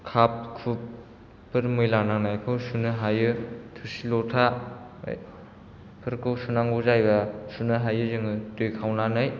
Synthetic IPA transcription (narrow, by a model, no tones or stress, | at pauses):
kʰap̚kʰup | pːɯɾmɯjlananajkʰɯwsunɯɦajɯtʰusilɔtʰa̰ | j | pʰɯɾkʰɯwsunaŋɡuzajbɐsunɯɦajɯzɯŋɯtujkʰawnanɯj